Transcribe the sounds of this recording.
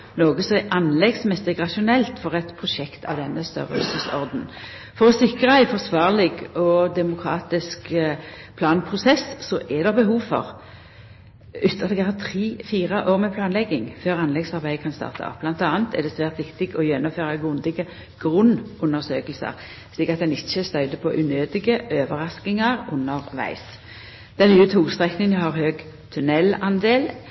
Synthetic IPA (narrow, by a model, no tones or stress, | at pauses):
noːɡəsɔɛʔɑnlɛɡsmɛsɪɡʁɑʃʊnɛlt̪fɔʁɛt̪pʰʁʊʃɛkt̪ʰɑ̰ʋd̪ɛnːəst̪œ̰ʁə̰sɪsɔ̰ʁd̪n̩ | fɔʁɔsɪkʁəæɪfɔʁsʋɑːʁlɪɡɔd̪ɛmʊkʰʁɑːt̪ɪskpʰlɑːnpʰʁʊsɛssɔʔɛd̪ɛbəɦuːʋfɔ̰ʁ | ʉt̪ʰːɑt̪ɛɡɑɑt̪ʰɾiːfiːʁəʔoːʁmɛpʰlɑːnlɛɡːɪŋføːʁɑnlɛɡsɑʁbæɪkʰɑnst̪ɑ̰ːʁt̪ʰɑ̰ʔɔ̰p̚ːb̥lɑnt̪ɑːnt̪ʰɛ̰ʁd̪ɛsʋæːʁt̪ʋɪkt̪ɪɡɔjɛnːʊmføːʁɑɡʉnd̪ɪɡə | ɡ̥ʁʉnːʊnːəʁsøːklsə̰ʁ | ʃliːkɑt̪̚d̪ɛnɪçːəst̪œʏd̪əpʰɔʔʉnøːd̪ɪɡəʔøːʋəʁɑsknɪŋɑɾʊnːəʁʋæ̰ɪs | d̪̥ɛnnyːət̪ʰuːlst̪ʁɛknɪənɦɑʁhøːɡ | t̪ʰʉnɛlɑnd̪eːl